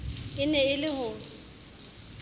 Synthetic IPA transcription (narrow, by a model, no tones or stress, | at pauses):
ɪnɛɪlɪhʊːl